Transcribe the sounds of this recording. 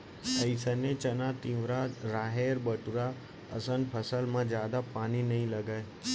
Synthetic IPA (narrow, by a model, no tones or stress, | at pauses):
əisənẽt͡ɕɐnat̪ĩːʋɾaɾaːɦeːɾbəʈʊɾa | ɐsənpʰəsəlmãzjaːd̪apaːninɐɦĩlɐɡae